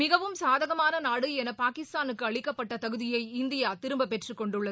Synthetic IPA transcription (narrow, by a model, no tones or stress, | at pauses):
mɪɣɐʋɯmsaːðɐɣɐmaːnɐnaːɽɯɛnɐpaːkɪst̪aːnɯkːɯɐɭɪkːɐpːɐʈːɐt̪ɐɣɯðɪjɐɪɪnd̪ɪjaːt̪ɪɾɯmbɐpɛʈrɯkɔɳɖɯɭːɐ